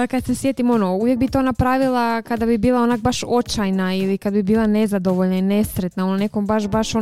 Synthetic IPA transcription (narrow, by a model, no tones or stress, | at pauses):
kad̪se̞sje̞t̪imo̞nouvjek̚bit̪o̞ːnapɾaːʋilˠakad̪abibiːlˠao̞nak̚baʃo̞t͡ʃajnailikad̪bibiːlˠane̞zad̪o̞ʋoʎnaine̞sɾet̪naonone̞ko̞mbaʃbaʃo